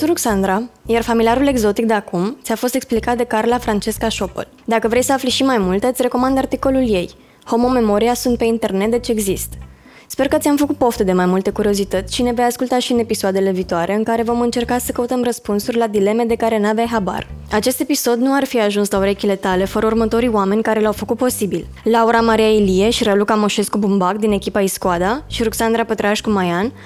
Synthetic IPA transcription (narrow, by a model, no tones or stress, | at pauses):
t̪uɾuksand̪ɾajarfamilijaɾule̞ɡzo̞t̪ik̚d̪eakumt̪sʲafo̞st̪eksplikat̪̚d̪e̞karlafɾant͡ʃe̞skaʃo̞po̰l | d̪akəvɾejsəafliʃimajmult̪ɨt̪sʲre̞ko̞mand̪art̪iko̞lulje̞j | ho̞mo̞me̞mo̞ɾiasunt̪̚pe̞int̪e̞rne̞t̪̚d̪et͡ʃeːɡzist̪ | spe̞rkət̪sʲamfəkut̪̚po̞ft̪ed̪e̞majmult̪e̞kuɾio̞zit̪ət̪sʲʃine̞vejaskult̪aʃiɨne̞pisoad̪e̞le̞viːt̪oaɾʔe̞ɨŋkaɾe̞vo̞mɨnt͡ʃe̞rkasəkəut̪əmrəspunsurʲlad̪ile̞me̞d̪e̞kaɾe̞navajɦaba̰rat͡ʃe̞st̪e̞piso̞d̪nuarfiaʒunslauɾe̞kʲile̞t̪ale̞fəɾəurmət̪o̞ɾijoame̞nʲkaɾe̞lawfəkut̪̚po̞sibil | lauɾamaɾijailie̞ʃiɾalukamo̞ʃe̞skubumbakd̪ine̞kʲipaiskoad̪aʃiɾuksand̪ɾapət̪ɾaʃʲkumajan